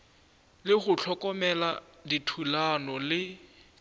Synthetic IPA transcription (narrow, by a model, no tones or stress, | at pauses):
lɪχʊt͡ɬʰɔkɔmɛladitʰulanɔlɪ